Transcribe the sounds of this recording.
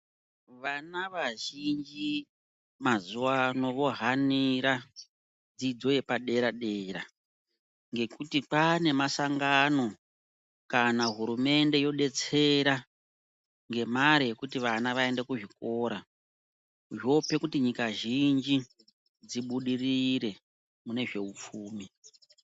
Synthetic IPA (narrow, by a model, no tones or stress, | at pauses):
ʋanaʋaʒind͡ʒi | mazuwano̞ʋo̞ɦaniɾa | d͡zid͡zo̞je̞paɗe̞ɾaɗe̞ːra | ŋɡe̞kutipane̞masaŋɡano̞ | kanaɦuɾume̞nde̞jo̞ɗe̞t͡se̞ɾa | ŋɡe̞maɾije̞kutiʋanaʋae̞ndekuʐiko̞ɾa | ʐo̞pe̞kutiɲikaʒind͡ʒi | d͡ziɓuɗiriɾe̞ | mune̞ʐe̞up͡fuːmi